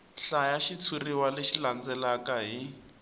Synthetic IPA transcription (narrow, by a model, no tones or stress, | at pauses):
ɬajaʃit͡sʰuriwaleʃiland͡zɛlakaɦi